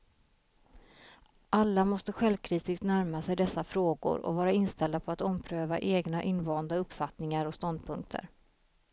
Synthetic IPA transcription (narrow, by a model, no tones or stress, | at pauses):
ʔalːamɔst̪əɧɛlvkʰɾiːst̪ɪɡt̪næɾmasɛjd̪ɛsːafɾoːɡʊ̰ɾɔ̰vɑːɾaɪnst̪ɛld̪apʰɔat̪ɔmpʰɾøːva̰ʔeːɡnaʔɪnːvɑːnd̪aɵpːfat̪nɪŋaɾɔst̪ɔnd̪̚pʰɵŋk̚t̪ʰə̰ɾ